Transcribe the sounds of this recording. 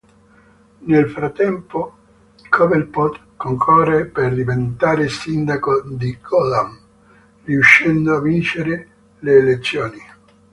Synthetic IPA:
nelfɾat̪ːɛmpo | kʰɔvelpɔt̪ | koŋkʰɔrːeperd̪ivent̪aːɾesind̪akod̪ikɔlam | riuʃːɛnd̪oavːint͡ʃeɾe | leːlet̪sːjɔːni

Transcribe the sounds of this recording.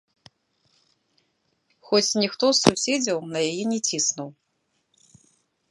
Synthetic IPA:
xɔt͡sʲnʲixt̪ɔsːusʲɛd͡zʲɐwnɐjajɛnʲɛt͡sʲisnuw

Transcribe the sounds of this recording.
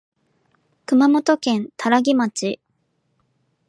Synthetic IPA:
kɯ̟mamo̞t̪o̞kẽ̞nt̪ʰaɾaɡʲimat͡ɕi

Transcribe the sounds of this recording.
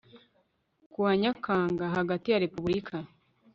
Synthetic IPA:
kuwaɲakʰaːŋɡaɦaɡatijaɾe̞puβuɾikʰa

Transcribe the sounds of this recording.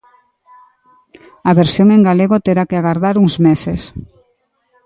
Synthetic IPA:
aβeɾsjoŋeŋɡaleɣot̪eɾakeaɣaɾðaɾuŋzmeses

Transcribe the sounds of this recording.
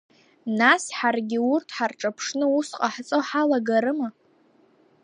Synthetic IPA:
nasħarɡʲɪurtʰħarʈ͡ʂʼapʰʂnɨusqʼaħt͡sʼoħalaɡaɾɨma

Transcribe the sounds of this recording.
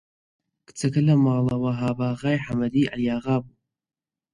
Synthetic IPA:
kɨ̥t͡sɐkɐlɐmɑːlɐwɐɦaːbaːɣaːjħamɐd̪iːʔɐ̰ljaːɣaːbu

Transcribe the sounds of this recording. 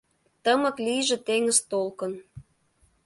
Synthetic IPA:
t̪əmɤ̆klijʒĕt̪eŋəzt̪olkə̆n

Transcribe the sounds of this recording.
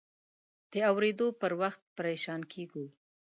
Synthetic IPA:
d̪̥əawɾed̪opəɾwaxt̪̚pəɾeʃɑnkʰeɡu

